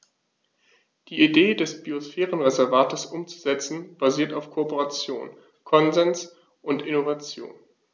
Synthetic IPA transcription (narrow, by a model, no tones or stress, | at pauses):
d̥iːideːdɛsb̥iosfɛːʁ̞ənʁezɛɐvaːtəsʔʊmt͡su̥zɛt͡sn̩b̥aziːɐtaʊfkʰopoʁat͡sjo̰ːn | kʰɔnzɛns | ʔʊntɪnovat͡sjo̰ːn